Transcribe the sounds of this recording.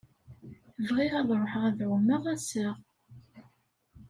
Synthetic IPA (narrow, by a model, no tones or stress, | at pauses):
vʁiʁæðˤɾˤoħəʁæðʕumːəʁæsəʁ